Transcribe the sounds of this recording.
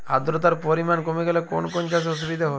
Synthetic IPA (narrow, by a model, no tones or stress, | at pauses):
a̰d̪ɾot̪aɾpoɾimankomeɡɛleko̰nkont͡ʃas̬os̬ubid̪ʱaɦo